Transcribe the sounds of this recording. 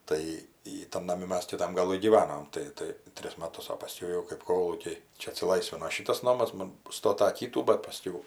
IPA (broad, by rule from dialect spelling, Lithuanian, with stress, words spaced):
ˈtɐɪ ˈjiː tɐn nɐˈmʲɪ ˈmʲɛs kʲɪˈtɐm ɡɐˈlˠɨ ɡʲiːˈʋɑːnoːm tɐɪ ˈtɐɪ ˈtʲrʲɪs mɐˈtʊs oː pɐˈsʲkʲɛʊ jɛʊ kɜp ˈkoːlˠuːkʲɛɪ ˈt͡ʃʲɛ ɐtʲsʲɪˈlˠɐɪsʲʋʲɪnoː ˈʃʲiːtɐs ˈnoːmɐs ˈmoːn ˈstoːtɐ ˈkʲiːtuː bɐt pɐˈsʲkʲɛʊ